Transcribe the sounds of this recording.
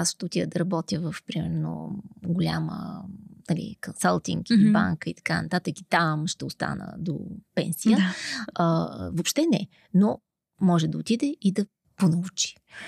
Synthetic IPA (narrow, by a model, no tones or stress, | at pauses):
asʃt̪ɛʊt̪iəd̪ɐɾɐbɔt̪jəvəfpɾimɛɾno̰ɡʊlʲamə̰nɐlʲḭkonsəlˠt̪ḭŋkiba̰ŋkəit̪ɐ̥kanɐt̪at̪əki̥t̪amʃt̪ɛʊst̪a̰nə̰d̪o̰pɛ̰nsijəəvopʃt̪ɛnɛ̰ | no | mɔʒɛd̪ɐot̪id̪ɛid̪ɐ | ponəut͡ʃi̥